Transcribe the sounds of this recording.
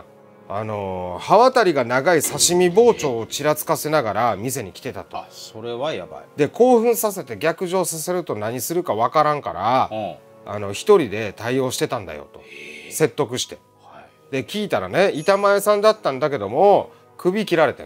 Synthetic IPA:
a̰no̞haβat̪aɾʲiɡanaɡaisaɕimʲibo̞ːt͡ɕo̞ːt͡ɕiɾat͡sɨ̥kase̞naɡaɾamʲis̬e̞ɲ̟ikʲi̥t̪e̞t̪at̪osoɾeβajad̪e̞ko̞ːɸɯ̟̃ɰ̃sase̞t̪e̞ɡʲakɯ̟ʑo̞ːsase̞ɾɯ̟t̪o̞naɲ̟isɨɾɯ̟kaβ̞akaɾãŋkaɾa̰ː | no̞çi̥t̪o̞ɾʲid̪e̞t̪aio̞ːɕi̥t̪e̞t̪ãnd̪a̰jo̞̰t̪ose̞t̪ːo̞kɯ̟ɕi̥t̪e̞ | d̪̥e̞kʲiːt̪aɾane̞it̪amae̞sãnd̪at̪ːãnd̪ake̞d̪o̞mo̞ | kʰɯ̟bʲikʲiɾaɾe̞t̪ḛ

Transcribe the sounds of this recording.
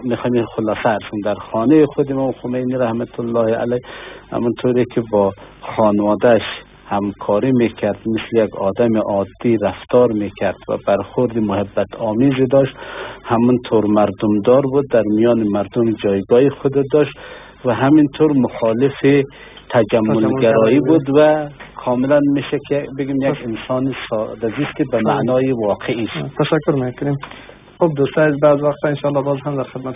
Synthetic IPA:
mexɑjmiχʊlɑːsaːɾsund̪aɾχɔːnejiχʊd̪imɔmxʊmejniɾahmat̪ʰʊlːɑːhia̰lajha̰munt̪ʰoɾekʰibɔχɔːnwɔːd̪aʃ | hamkʰɔːɾimekʰaɾd̪mɪslijaɡɔd̪amiʔɒːd̪ːiɾaft̪ɒːɾmekʰaɾd̪̥va̰baɾχʊɾd̪imʊhabːat̪ʰɔːmizid̪ɔʃt̪hamunt̪ʰoɾmaɾd̪umd̪ɔɾbud̪ːaɾmijɔːnimaɾd̪ʊmd͡ʒɒːjɡɒːixʊd̪ad̪ɔʃt̪ | vaɦamint̪ʰoɾmʊxɔːlɪfi | t̪ʰad͡ʒamːʊlɡaɾɔːjibud̪wakʰɔːmɪlanmeʃakʰibeɡimjaɡɪnsɑːnisd̪azist̪ibamaʔnɔːjiwɒːqʰeist̪ʰaʃakːʊɾmekʊnem | χob̚d̪ust̪ɑazbazwaqt̪aɪnʃɑlːɑbɔzɦamd̪aɾxɪd̪mat̪

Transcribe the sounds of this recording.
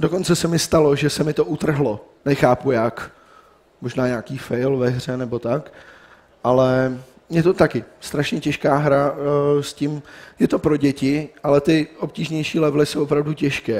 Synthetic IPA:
do̞ko̞nt͡sɛsɛmɪst̪alo̞ʒɛsɛmɪt̪o̞ʔut̪r̩ɦlo̞ | nɛxaːpujak | mo̞ʒnaːɲaːkiːfɛjlvɛɦr̝ɛnɛbo̞t̪ak | ʔalɛ | mɲɛt̪o̞t̪akɪst̪ɾaʃɲɛcɛʃkaːɦɾascɪmjɛt̪o̞pɾo̞ɟɛcɪʔalɛt̪ɪʔo̞p̚ciːʒɲɛjʃiːlɛvlɪsowʔopɾavducɛʃkɛː

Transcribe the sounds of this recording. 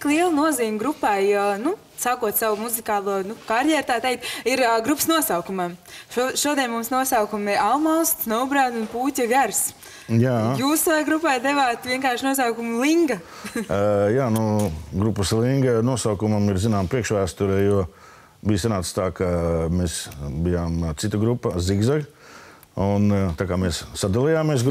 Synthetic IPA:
t̪klˠiɛlˠnuɔziːmʲɡɾupajnu | sakuɔt̪sawmuzikaːlˠuɔnukaɾjɛɾt̪aːt̪ɛjkt̪iɾɡɾupə̥snuɔsawkumɐmʃuɔd̪iɛnʲmumsnuɔsawkumialmawst̪snɔwbɾaːd̪unpuːcʲaɡaɾs | jaːjuːsʋajɡɾupajd̪evaːt̪vʲiɛŋkaːɾʃnuɔs̬awkumulˠiŋɡɐ | jaːnuɡɾupːəslˠiŋɡnuɔsawkumɐmiɾzinaːmpɾiɛkʃʋæːst̪uɾɛjuɔ | bijsanaːt̪st̪aːkameːsbijaːmt̪sit̪ɐɡɾupːɐziɡzaɡ | unt̪aːkaːmeːsːad̪alˠijaːmiɛs̬ɡ

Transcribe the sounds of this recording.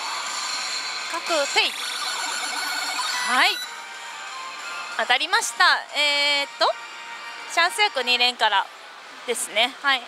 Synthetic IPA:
kakɯ̟sɯi | hai | at̪aɾʲimaɕi̥t̪aeːt̪ːo̞ | ɕãɰ̃sɨjakɯ̟ɲiɾẽ̞ŋkaɾa̰ | d̪̥e̞sɨne̞hai

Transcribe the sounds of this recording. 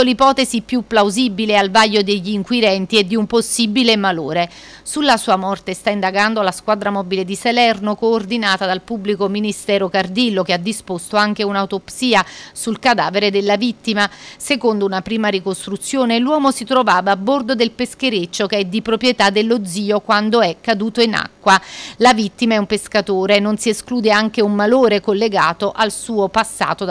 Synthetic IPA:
olipɔːt̪ezipjupːlawzibilealvaʎːod̪eʎːiːŋkwid̪ɛnt̪ied̪ːiumposːibilemaloːɾe | sulːasuːamɔrt̪est̪aind̪aɡand̪oalaskwad̪ɾamɔbiled̪isalɛrnokoːrd̪inaːt̪ad̪alpubːlikominist̪ɛːɾokard̪ilːok̟ead̪ːispost̪oaŋk̟eunaut̪opsiːasulkad̪a̰ːveɾed̪elːavit̪ːimasekond̪ounapɾiːmaɾikost̪ɾut̪sːjoːnelwɔːmosit̪ɾovaːvaːbːord̪od̪elpeskeɾet͡ʃːokeɛd̪ːipɾopɾjet̪ad̪ːelːod̪ziːokwand̪oɛkːad̪uːt̪oina̰kːwalavit̪ːimaɛumpeskat̪oːɾeːnːonsieskluːd̪eaŋk̟eumːaloːɾekolːeɡa̰ːt̪oʔalsuːopasːa̰ːt̪o

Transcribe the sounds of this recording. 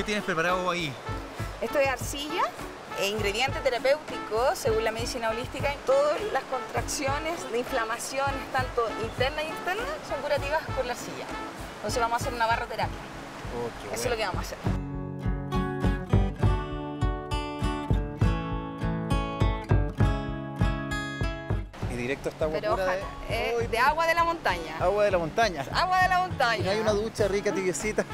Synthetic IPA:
ket̪jenespɾepaɾaðoai | est̪oesaɾsiʝa | eiŋɡɾe̞ðjent̪et̪eɾape̞wt̪ikoseɣunlame̞ðisinaolist̪ikaet̪oðoslasko̞nt̪ɾaksjonesd̪eiɱflamasjo̞nest̪ant̪oʔint̪eɾnajekst̪eɾnaso̞ŋkuɾat̪iβaspoɾlaɾsiʝa̰ | nt̪o̞ns̬evβamosas̬eɾunaβarat̪e̞ɾapja | esolokeβamosaseɾ | iðiɾek̚t̪oest̪awaeɾoɾaða | ed̪eaɣwaðelamo̞nt̪aɲaawaðelamont̪aɲaaɣwaðelamont̪aɲnnoajunaðut͡ʃarikat̪iβjosit̪a

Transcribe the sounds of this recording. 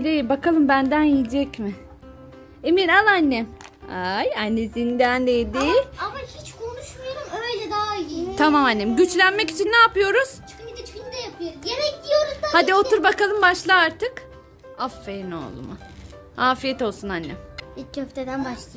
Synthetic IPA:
d̪ejibakʰalˠɯmbænd̪ænjijd͡ʒɛcmɪ | eminalˠanːɛ | ajanːezind̪ænlejd̪ɪamahit͡ʃkʰonuʃmajoɾumøjlʲɛd̪aijit̪ʰamamanːemɟyt͡ʃlʲænmɛcit͡ʃʰinːaːpɯjo̞ɾuz̥ | id̪t͡ʃnd̪ɛjapʰɯjoɾuzjemɛd̪ijoɾuzahad̪io̞t̪uɾbakalˠɯmbaʃlˠaaɾt̪ʰɯk | afːeno̞̰lˠṵmʊ̰ | haːfijɛt̪o̞lˠsunanʲːɛ̰icʰøft̪ʰed̪ænbaʃlˠa

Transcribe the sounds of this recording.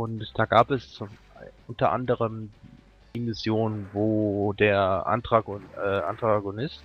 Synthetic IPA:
ʔʊntd̥aːɡaːpɛs | ʔʊntɐʔa̰ndəʁəm | imɪsjoːnənvoːdeːɐʔa̰ntʁ̥aɡɛʔa̰ntʁotaɡʊnɪst

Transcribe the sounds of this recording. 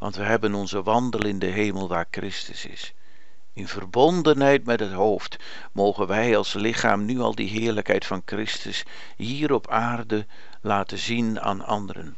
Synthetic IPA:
ʋɑ̰ntʋəɦɛbənɔnzəʋɑndəlɪndəɦejməlˠʋaːɹkrɪstə̰sɪ̰s | ɪnvərbɔndənɦɛjtmɛtɦətɦowft | mowχənʋɛjɑlˠslɪχa̰ːmnyɑ̰lˠdiɦɪːɹləkɦɛjtfɑnkrɪstəs | ɦiːɾɔpʰaːrdə | laːtəzina̰ːnɑ̰ndərə̰n

